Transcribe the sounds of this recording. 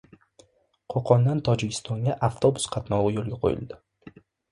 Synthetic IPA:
qʰoqʰɒnd̪ant̪ʰɒd͡ʒɪkʲʰɪ̥st̪ʰɒŋɡʲaʔaft̪ʰo̞bʊ̥sqʰɑt̪nɒwɨjolˠɡʲaqʰo̰jɪ̰lˠd̪ɪ

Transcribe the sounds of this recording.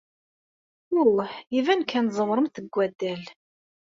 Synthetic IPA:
ʊlˤːəħjivænkʰænzˤəwɾˤəmθəɡʷːæd̪ːæl

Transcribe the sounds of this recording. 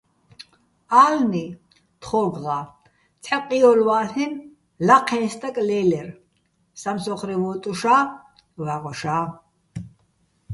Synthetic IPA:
aːlni | t̪χɔɡʁa | t͡sʰħɛqʼiɔlwaːɬɛn | laqʰɛnst̪ʼakʼlɛlɛr | samsɔχɾivɔt̪ʼuʃaː | waʁɔʃaː

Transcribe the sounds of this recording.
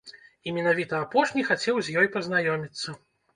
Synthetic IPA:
imʲɛnavʲit̪ɐːpɔʂnʲixat͡sʲɛwzʲjɔjpɐznajɔmʲit̪sːɐ

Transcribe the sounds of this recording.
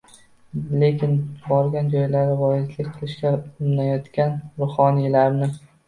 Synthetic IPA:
le̞kʲʰɪnbɒɾɡʲand͡ʒɒjlaɾɪvɒjɪzlɪkʲqʰɨlˠɪʃkʲaʊmnajɒt̪kʲanɾʊhɒnijlaɾnɪ

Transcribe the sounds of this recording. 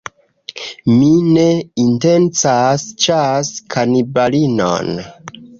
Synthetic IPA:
mine̞inte̞nt͡sast͡ʃaskʰanibalino̰n

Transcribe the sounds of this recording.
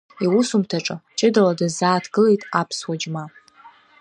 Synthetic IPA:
iwʊsumtʰaʈ͡ʂʼɨt͡ʃʼɪdaladazaːtʰɡɨlejtʼapʰswad͡ʒma

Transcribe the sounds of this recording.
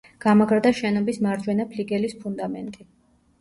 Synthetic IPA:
ɡ̥amaɡɾd̪aʃɛnɔbismaɾd͡ʒwɛnapʰliɡɛlispʰund̪amɛnt̪ʼi

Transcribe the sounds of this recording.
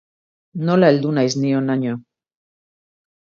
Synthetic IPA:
no̞laeld̪unajznionaɲo

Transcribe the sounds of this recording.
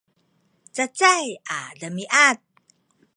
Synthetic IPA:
t͡sat͡sajaɮəmiʔat̪̚

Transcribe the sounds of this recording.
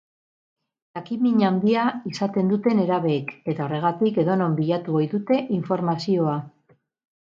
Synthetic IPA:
t̪akimiɲand̪iaisat̪e̞nd̪ut̪e̞ne̞ɾaβe̞ke̞t̪ao̞re̞ɣ̞at̪ike̞ðo̞no̞mbiʎat̪uojðut̪e̞ʔiɱfo̞ɾmasio̞a

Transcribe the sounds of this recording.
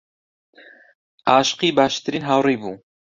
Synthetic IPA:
ʔɑːʃqiːbɑːʃt̪ɨɾiːnɦawriːbuː

